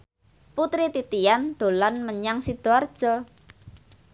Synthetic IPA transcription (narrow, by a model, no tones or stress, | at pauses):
put̪ɾit̪it̪ijand̪̥o̤lanməɲaŋsid̪̥oard̥ʒ̥ɔ